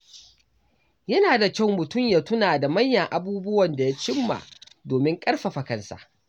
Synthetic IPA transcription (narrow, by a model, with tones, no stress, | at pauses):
jɐ˦naː˨da˨kʲɐ˦˨wmʊ˨tʊ˦˨mjaː˨tʊ˦naː˨da˨mɐ˦jːɐ˨ŋʔa˦buː˦bʊ˦wɐ˨nda˨ja˦t͡ʃɪ˦mːa̰˨doː˨mɪ˦ŋkʼɐ˦ɽɸa˨ɸɐ˨kɐ˨nsa̰˨ʔ